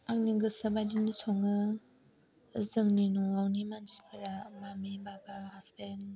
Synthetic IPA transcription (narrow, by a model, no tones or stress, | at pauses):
aŋniɡɯsɐbajdinisɔŋɯ | zɯŋninuawnimanzi̥pʰɯɾamamibabahaspen